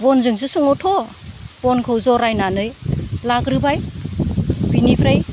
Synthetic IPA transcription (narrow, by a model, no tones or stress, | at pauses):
bɔnzɯŋsɯsɔŋɔtʰɔ | bonkʰɯwzɔɾajnanɯjlaɡɾɯbaj | binipʰɾaj